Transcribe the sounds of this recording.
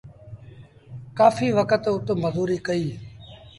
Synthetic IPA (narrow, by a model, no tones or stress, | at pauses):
kaːfiːʋəkət̪ʊt̪məzuːɾiːkəiː